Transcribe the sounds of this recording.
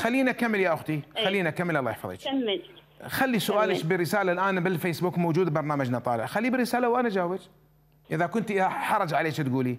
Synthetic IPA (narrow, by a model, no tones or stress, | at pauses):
xalːiːnakamːɪljaʔʊxt̪ixalːiːnakamːɪlʔɑlːɑːjɪħfɑ̰ðˤḛːt͡ʃː | xalːisʊʔaːlɪʃbɪɾɪsaːlalʔaːnbɪlfeːsbuːkmoːd͡ʒuːd̪bɑɾˤnaːmad͡ʒnat̪ˤɑːlɪ̰ʕxalːibɪɾɪsaːlawʔanad͡ʒaːwɪd͡ʒ | ʔɪðakʊnt̪ʔħɑɾˤɑd͡ʒʕaleːt͡ʃt̪ɡuːli